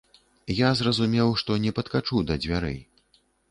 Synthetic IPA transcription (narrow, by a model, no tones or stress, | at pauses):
jazrɐzumʲɛwʂt̪ɔnʲɛpɐt̪kat͡ʂud̪ɐd͡zʲvʲaɾɨ̰